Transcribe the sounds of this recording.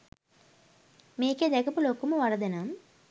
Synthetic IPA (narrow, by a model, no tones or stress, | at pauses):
miːked̪ɛkɐpuloːkumuʋɐɾɐd̪ɐnam